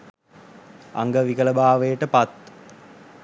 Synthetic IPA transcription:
a̰ŋɡəʋikələbaːʋəjəʈəpat̪

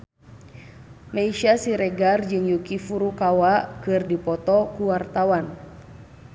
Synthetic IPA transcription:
maiʃasiɾɛɡard͡ʒɨŋjukifuɾukawakɨrdipɔt̪ɔkuwart̪awan

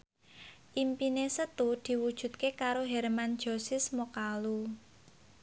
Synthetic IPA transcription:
ʔimpinesət̪ud̪̥i̤wud̥ʒ̥ṳt̪̚kekaɾoɦɛrmand̥ʒ̥oɔ̤sɪsmokalu

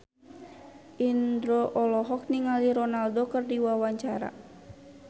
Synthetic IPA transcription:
ʔind̪ɾɔʔɔlɔɦɔk̚niŋaliɾɔnaldokərdiwawaɲt͡ʃaɾa̰

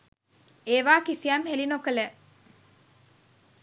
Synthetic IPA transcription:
eːʋaːkisiamhelinokəle

